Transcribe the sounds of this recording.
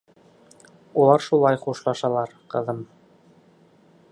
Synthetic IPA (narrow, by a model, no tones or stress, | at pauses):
ulˠɑɾʃulˠɑjχuʃlˠɑʃɑlˠɑɾqɤ̆ðɤm